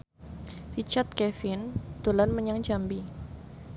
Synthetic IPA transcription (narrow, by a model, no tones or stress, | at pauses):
rit͡ʃat̪̚kɛfɪnd̪̥olanməɲaŋd͡ʒambi